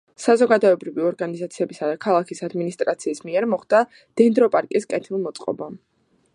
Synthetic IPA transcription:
sazɔɡad̪ɔɛbɾiviɔɾɡanizat̪sʰiɛbisad̪akʰalˠakʰisad̪minist̪ʼɾat̪sʰiːsmiɛɾmɔχd̪̥a | d̪̥ɛnd̪ɾɔpʼaɾkʼiskʼɛt̪ʰilˠmɔt̪sʼqʼɔ̰ba

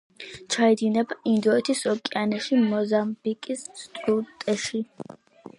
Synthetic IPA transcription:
t͡ʃʰaid̪inɛbaʔind̪ɔɛt̪ʰisɔkʼianɛʃimɔzamb̥ikʼisst̪ʼut̪ʼɛʃi

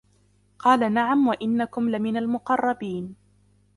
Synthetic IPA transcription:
qɑːlanaʕamwaʔɪnːakʊmlamɪnalmʊqɑrˤːɑbiːn

